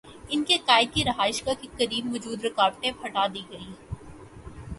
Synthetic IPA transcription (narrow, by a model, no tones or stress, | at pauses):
ɪnkekaːɪd̪̚kiɾɐɦaːɪʃkakikɐɾiːbʋɔd͡ʒuːd̪ɾɪkaːɾʈẽpʰɐʈaːd̪iːɡɐiː